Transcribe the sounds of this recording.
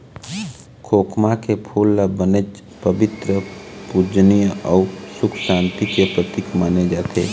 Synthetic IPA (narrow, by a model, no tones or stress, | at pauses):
kʰoːkʰmakepʰulːabəned͡ʒ | pəbɪt̪ɾəpud͡ʒnijəɔusʊkʰʃãːnt̪ikepɾət̪ikʰmaned͡ʒaːt̪ʰeː